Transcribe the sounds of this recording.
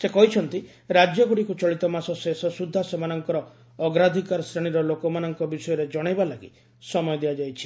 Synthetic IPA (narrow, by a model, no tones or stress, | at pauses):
sekɔɦit͡ʃʰɔnt̪i | ɾad͡ʒjɔɡuɽikut͡ʃɔɭit̪ɔmasɔsesɔsud̪ʱːasemanɔŋkɔɾɔ | ɔɡɾad̪ʱikaɾɔsɾeɽ̃iɾɔlokɔmanɔŋkɔbisɔjɔɾed͡ʒɔɽ̃ajbalaɡḭ | sɔmɔjɔd̪ijad͡ʒajt͡ʃʰi̥